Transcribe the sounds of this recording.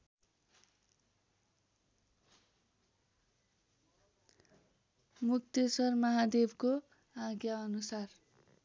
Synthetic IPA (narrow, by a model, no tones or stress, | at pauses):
muk̚t̪esʌrmʌɦad̪ebko | aɡjaʌnusar